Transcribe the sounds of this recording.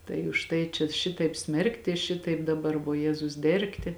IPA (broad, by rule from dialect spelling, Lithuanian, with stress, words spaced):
tɐɪ ʊʃ ˈtɐɪ t͡ʃʲɛ ˈʃʲɪtɐɪp ˈsʲmʲɛrktʲɪ ˈʃʲɪtɐɪp dɐˈbɐr ʋoːˈjæːzʊs ˈdʲɛrktʲɪ